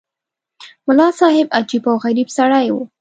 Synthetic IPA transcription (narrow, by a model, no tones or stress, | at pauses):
mʊlɑsɑɦɪbad͡ʒibawɣaɾibsaɽajwu